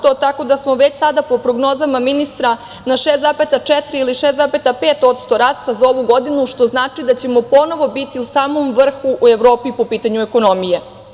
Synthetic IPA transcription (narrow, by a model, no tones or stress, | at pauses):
t̪ot̪ako̞d̪asmo̞ʋet͡ɕsad̪apo̞pɾo̞ɡno̞ːzamaminist̪ɾa | naʃeːst̪apet̪at͡ʂɛt̪ɾiiliʃeːsapet̪apeːt̪ot̪st̪o̞ɾaːst̪azao̞ʋuɡo̞d̪inuʃt̪o̞znaːt͡ʂid̪at͡ɕe̞mo̞po̞no̞ʋo̞bit̪iusaːmo̞mʋr̩xuʔueʋɾo̞ːpipo̞piːt̪aɲueko̞no̞mije